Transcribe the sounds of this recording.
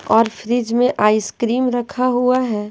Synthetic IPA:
ɔːɾfʰɾɪd͡ʒmẽʔaːɪskɾiːmɾɐkʰaɦuaɦɛː

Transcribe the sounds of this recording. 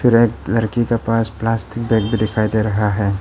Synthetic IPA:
fɪɾeːk̚lɐɾkikepaːsplaːsʈɪk̚beːk̚bʱid̪ɪkʰaːid̪eɾɐɦaɦɛː

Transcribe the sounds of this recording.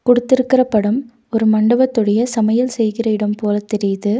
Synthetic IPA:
kɔɽɯt̪ːɪɾɯkːɪrɐpːɐɽɯm | ɔɾɯmɐɳɖɐbɐt̪ːɔɽɐjɐsɐmɐjɐlsɛjɣɪrɐɪɽɐmpoːlɐt̪ːɛɾɪjðɯ

